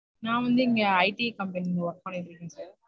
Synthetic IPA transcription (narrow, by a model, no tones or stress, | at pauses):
nãːʋɐnd̪ɯɪŋɡɐɐɪʈikɐmpɐninɯʋɐɾpaːnɪʈːɾɯkːẽːsɐɾ